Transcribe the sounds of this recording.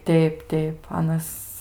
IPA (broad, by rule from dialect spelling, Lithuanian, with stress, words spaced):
ˈtʲɛɪp ˈtʲɛɪp ˈɑːnɐs